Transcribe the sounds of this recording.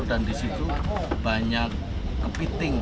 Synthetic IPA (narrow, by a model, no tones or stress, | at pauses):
dandisit̪ub̥aɲak̚ː | əpit̪ɪŋ